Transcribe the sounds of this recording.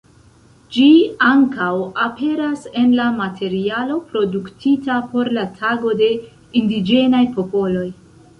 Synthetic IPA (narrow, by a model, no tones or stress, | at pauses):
d͡ʒiaŋkawape̞ɾase̞nlamatʰe̞ɾialo̞pɾo̞duktitapo̞ɾlatʰaɡo̞de̞ | indid͡ʒe̞najpo̞po̞lo̞j